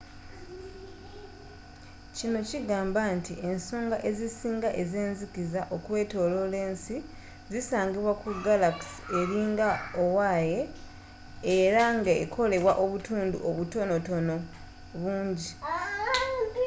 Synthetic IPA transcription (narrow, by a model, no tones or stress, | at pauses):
cino̞ciɡaːmbantie̞nso̞ːŋɡaʔe̞zisiːŋɡaʔe̞ze̞ːnzikizaʔo̞kwe̞ːto̞lo̞le̞ːnsi | zisaːɲɡiβwakuɡalakse̞ɾiːŋɡaowaje̞ː | ɾaŋɡaekʰo̞le̞βwaʔo̞βutuːndṵʔoβuto̞no̞to̞no̞ | βuːɲɟi